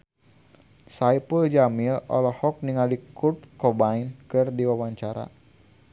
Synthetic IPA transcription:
saipuld͡ʒamilɔ̰lɔhɔk̚niŋalikurt̪̚kɔbainkɨrdiwawaɲt͡ʃaɾa̰

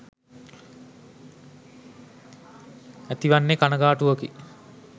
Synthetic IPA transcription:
æt̪iʋanːekanəɡaːʈuʋəki

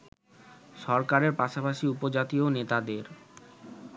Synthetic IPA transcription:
ʃɔɾkaɾeɾpaʃapaʃiupod͡ʑat̪ionet̪ad̪eɾ

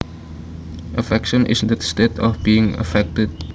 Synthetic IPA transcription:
ʔəfɛkʃə̃nʔɪ̰sdəstetʰɔfbiɪ̃ŋə̰fɛk̚təd̚

